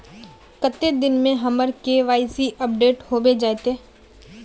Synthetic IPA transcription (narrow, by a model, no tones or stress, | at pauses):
kət̪ːed̪ɪnmẽɦɐməɾkeʋaːɪsiʔəp̚ɖeːʈhoːbed͡ʒaːet̪eː